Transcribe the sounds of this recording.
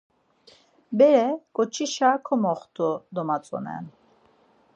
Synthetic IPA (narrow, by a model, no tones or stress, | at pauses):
bɛɾɛkʼɔt͡ʃʰiʃakʰɔmɔχt̪ʰʼud̪ɔmat͡sʼɔ̰nɛ̰n